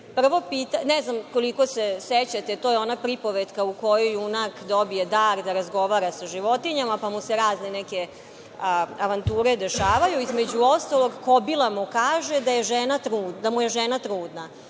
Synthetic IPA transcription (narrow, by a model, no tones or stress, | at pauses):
pr̩ʋo̞piːt̪anɛznamko̞liko̞seset͡ɕat̪et̪ojeo̞napɾipo̞ʋed̪kaukojojunakd̪obijed̪aːɾd̪aɾazɡo̞ʋaːɾasaʒiʋo̞t̪iɲamapamuseɾaːznenɛke | aʋant̪uːɾed̪e̞ʃaːʋajuizme̞d͡ʑuo̞st̪alˠo̞ɡkobilˠamukaːʒed̪ajeʒenat̪ɾuːd̪amujeʒenat̪ɾuːd̪na